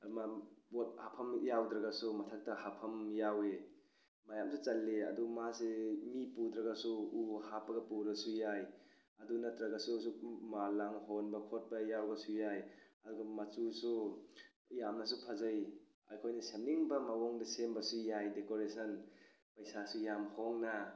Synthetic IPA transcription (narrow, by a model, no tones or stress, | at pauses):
mat̚hapʰɐmjawdɾɐɡasumɐtʰɐk̚tɐhapʰɐmjawe | majamsʰut͡ʃɐlːeɐ̰dumasemipud̪ɾɐɡasuuhapɐɡɐpuɾɐsujaj | ɐdunɐtɾɐɡasusumalaŋhonbɐkʰot̚bɐjawɡɐsujajɐduɡɐmɐt͡ʃusu | jamnɐs̬upʰɐzɐj | ɐ̰jkʰojnɐsemniŋbɐmawɔŋdɐsembɐsujajdekoɾesɐn | pɐjsasujamhoŋnɐ